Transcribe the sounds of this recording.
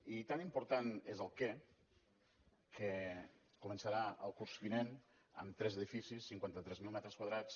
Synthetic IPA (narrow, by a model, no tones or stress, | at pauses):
it̪animpuɾt̪anezəlˠkɛ | kʰə | kumənsəɾaə̰lˠkuɾzβinen | ə̰mt̪ɾɛzəðifisisːiŋkwant̪ət̪ɾɛzmilˠmɛt̪ɾəskwaðɾat͡s